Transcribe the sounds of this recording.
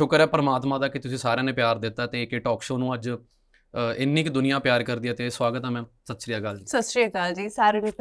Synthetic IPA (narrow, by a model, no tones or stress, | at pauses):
ʃʊkəɾɛːpəɾəmaːt̪mãːd̪aːkɪt̪ʊsĩːsaːɾeãːnẽːpjaːɾd̪ɪt̪ːaːt̪eːkeʈɔːkʃoːnũːəd͡ʒ | ɪnːĩːkd̪ʊnɪjãːpjaːɾkəɾd̪iːɛːt̪eːswaːɡət̪ɛːmɛ̃ːsət̪ːsɾijaːɡəlsəsɾiːkaːld͡ʒiːsaːɾeneː